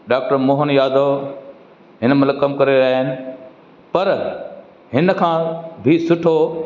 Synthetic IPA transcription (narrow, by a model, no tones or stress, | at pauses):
ɖaːk̚ʈəɾmoːɦənjaːd̪ʱo | ɦɪnəmʊləkːɐmkɐɾeɾaːɦɪnɪ̆ | pɐɾ | ɦɪnkʰãːbʱisʊʈʰo